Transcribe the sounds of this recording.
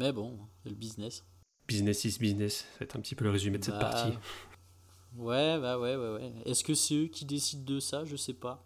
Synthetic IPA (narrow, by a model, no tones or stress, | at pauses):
mɛbɔ̃sɛləbiznɛs | biznɛsisbiznɛsaɛ̰t̪χɛ̃pət̪ipøləʁezymed̪əsɛtt̪paʁt̪i | wɛbawɛwɛwɛɛskəsɛøkʲid̪esid̪ːəsaʒəsɛpa